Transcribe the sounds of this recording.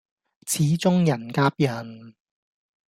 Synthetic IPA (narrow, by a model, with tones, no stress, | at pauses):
t͡sʰiː˨˥t͡sʊ˥ŋjɐ˨˩nkaː˧˥p̚jɐ˨˩n